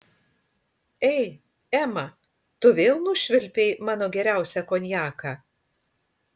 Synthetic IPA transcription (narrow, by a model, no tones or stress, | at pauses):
ɛɪ | æːmɐ | t̪ʊʋʲeːlˠnʊʃʲʋʲɪlʲpʲeɪmɑːnoːɡʲɛɾʲæˑʊsʲɛkoːnʲjæːkɑː